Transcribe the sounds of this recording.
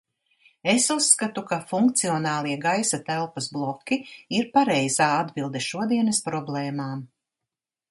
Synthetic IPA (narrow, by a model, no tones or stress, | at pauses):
esusːkat̪ukafuŋk̚t̪siɔnaːlˠiɛɡajsat̪ælˠpɐsblˠɔkʲːiiɾpaɾɛjzaːad̪bilˠd̪eʃuɔd̪iɛnɐspɾɔblˠɛːmaːm